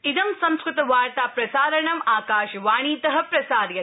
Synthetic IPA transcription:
id̪ɐmsɐ̃mskɾɨt̪ɐʋaːɾt̪aːpɾɐsaːɾɐɳɐmaːkaːʃɐʋaːɳiːt̪ɐɦɐpɾɐsaːd̪jɐ

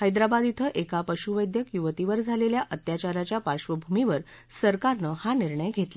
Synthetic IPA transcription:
həjd̪ɾabad̪it̪ʰəʔekapəɕuʋəjd̪jəkjuʋt̪iʋəɾd͡zʱaleljaʔət̪jat͡ɕaɾat͡ɕjapaɾɕʋəbʱumiʋəɾ | səɾkaɾnəhaniɾɳəjɡʱet̪la

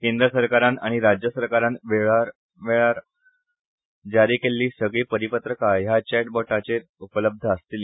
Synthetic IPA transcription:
kend̪ɾəsəɾkaɾanaɽ̃iɾad͡ʑjəsəɾkaɾãnʋeɭaɾ | ʋeɭaɾ | d͡zaɾiːkelːiːsəɡɭiːpəɾipət̪ɾəkajat͡ɕɛʈ̚bɔʈat͡se | upələb̚d̪ʱəəst̪ili

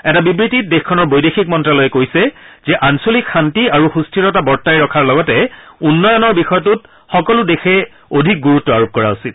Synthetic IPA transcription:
ɛtabibɹitit̚dexkʰɔnɔɹbojdexik̚mɔntɹalɔjɛkojsɛzɛʔansolikxantiaɹuxustʰɹiɹɔtabɔɹtajɹɔkʰaɹlɔɡɔtɛunːɔjɔnɔɹbixɔjɔtut̚ | xɔkɔludexɛ | odʱik̚ɡuɹutːɔaɹop̚kɔɹa̰ʊsit̚

